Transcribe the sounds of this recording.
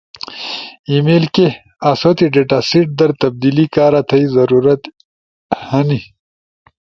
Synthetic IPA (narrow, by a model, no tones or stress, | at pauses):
imeːlke | asoːt̪iɖeʈasiʈ̚d̪ɐɾt̪ɐb̚d̪ilikaːɾat̪ʰɐizɐɾuːɾɐt̪ | hɐni